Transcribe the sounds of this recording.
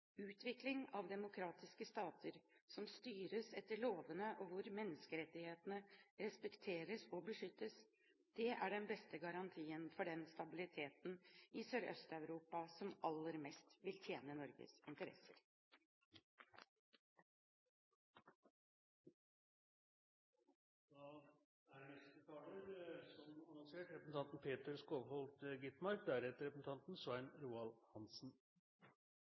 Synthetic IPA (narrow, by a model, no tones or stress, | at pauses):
ʉːt̪ʰʋɪklɪŋɑʋd̪ɛmʊkʰɾɑːt̪ɪskəst̪ɑːt̪ʰəɾsɔmst̪yːɾəsɛt̪ːəɭoːʋənəʔɔʋʊɾmɛnːəskəɾɛt̪ːɪheːt̪ənəɾɛspɛkt̪ʰeːɾəsɔbəʂʏt̪ːəs | d̪̥ɛʔæɖɛnbɛst̪əɡɑɾɑnt̪ʰiːənfɔɖɛnst̪ɑbɪlɪt̪ʰeːt̪n̩ɪsøɾʔœ̰st̪ɑʉɾuːpɑsɔmɑlːəɾmɛst̪ʋɪlt̪ʰjeːnənɔɾɡə̰sɪnt̪əɾɛ̰səɾ | d̪̥ɑ | ænɛst̪ət̪ʰɑːləɾsɔmɑnɑŋseːʈɾɛpəsn̩t̪ʰɑnt̪n̩pʰeːt̪əɾskoːʋhɔlt̪ɡɪt̪mɑɾk̚d̪æɾhɛt̪əɾɛpɾsn̩t̪ʰɑnt̪n̩swæɪnɾuːɑlhɑnsn̩